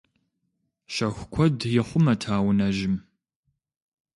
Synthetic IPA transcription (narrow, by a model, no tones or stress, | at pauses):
ʃɐxʷkʷʰɔdjɪχʷʊmɐtʰaːwnɐʒɪm